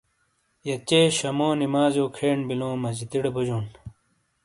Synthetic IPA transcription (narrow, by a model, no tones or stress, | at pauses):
jɐt͡ɕeːɕɐmoːnimaːzjoːkʰeːɳbilõːmɐd͡ʑit̪iɽebud͡ʑoːn